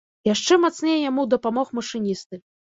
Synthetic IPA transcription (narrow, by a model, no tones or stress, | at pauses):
jaʂt͡ʂɛmat̪snʲejɛjamuwd̪ɐpamɔxmɐʂɨnʲist̪ɨ